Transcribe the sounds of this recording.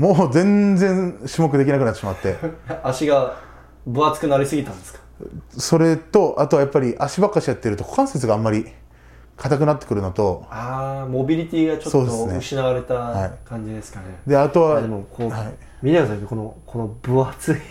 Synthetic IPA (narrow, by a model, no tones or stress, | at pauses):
moːzẽnd͡zẽ̞ɰɕimo̞k̬ɯ̟d̪ekʲinakɯnatːeɕimat̪ːe̞jaaɕiɡa | bɯ̟at͡sɨ̥kɯ̟naɾʲisɨɡʲit̪ãnd̪esɨ̥kḁso̞ɾe̞t̪o̞ʔat̪o̞ajapːaɾʲiʔaɕibakːaɕijat̪ːeɾɯ̟t̪o̞kʰokãɰ̃set͡sɨɡaːmːaɾʲi | kʰat̪ak̬ɯ̟nat̪ːe̥kɯɾɯ̟not̪o̞amo̞bʲiɾʲit̪ʲiːɡat͡ɕoso̞ːd̪esɨneɯɕinaaɾe̞t̪ahaikãɲ̟d͡ʑid̪e̞sɨ̥kaned̪e̞at̪o̞βad̪emokohai | mʲit̪ekasakit̪oko̞nokʰo̞nobɯ̟at͡sɨi